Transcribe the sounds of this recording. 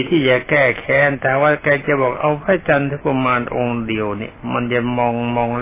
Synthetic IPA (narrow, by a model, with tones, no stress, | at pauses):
t̪ʰiː˥˩jaː˨˩kɛː˥˩kʰɛː˨˦˥nt̪ɛː˨˩waː˥˩kaː˧t͡ɕa˨˩˨bɔː˨˩k̚ʔa˧wpʰaː˥˩t͡ɕa˧nt̪ʰɯ˧˥˩pa˧maː˧nʔo˧ŋdi˧əwnḭ˧˩ma˧nt͡ɕa˨˩mɔː˧ŋmɔː˧ŋl